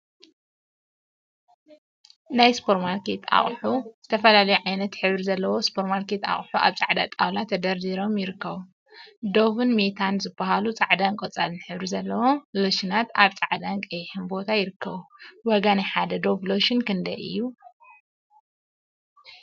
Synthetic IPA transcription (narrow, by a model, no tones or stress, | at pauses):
najspʰoɾmaɾket̪ʰa̰χʼħuz̥ɨt̪ʰɐfɐlalɐjuʕajnɐt̪ħɨβɾizɐlːɐwo̞spʰoɾmaɾket̪a̰χʼħuʔa̰βt͡sʼaʕd̪a̰t̪ʼawlat̪ʰːɐd̪ɐɾd̪iɾo̞mjɪɾɨkʰːɐβu | d̪o̞βɨnmet̪ʰanzɨbːahalut͡sʼaʕd̪ankʼot͡sʼalnɨħɨβɾizɐlːɐwo̞mloʃinat̪aβt͡sʼaʕd̪ankʼɐjħɨnbo̞t̪ʰajɪɾɨkʰːɐβuwɐɡanajħad̪ɐd̪o̞vloʃɪnkɨnd̪ɐjʔɨ̰jːu